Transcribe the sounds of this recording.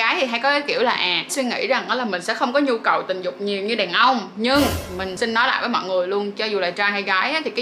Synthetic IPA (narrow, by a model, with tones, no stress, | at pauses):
aː˨˦jt̪ʰi˨˩ɦa˧jkɔ˨˦ɣaː˨˦jki˧˩əwlaː˨˩ʔaː˨˩swi˧ŋḭ˧˥za˨˩ŋʔɔ˨˦laː˨˩mï˨˩ŋ̟sɛ̰˧˥xə˧wŋ͡mkɔ˨˦ɲu˧kə˨˩wt̪ï˨˩ŋ̟zʊ˨˩k͡p̚ɲi˨˩əwɲɨ˧ɗɛ˨˩nʔə˧wŋ͡mɲɨ˧ŋmï˨˩ŋ̟si˧nːɔ˨˦jla̰ː˧˨jvəː˨˦mɔ̰˧˨jŋɨ˨˩əjlu˧ənt͡ɕɔ˧zu˨˩laː˨˩t͡ɕaː˧jha˧jɣaː˨˦jʔaː˨˦t̪ʰi˨˩kaː˨˦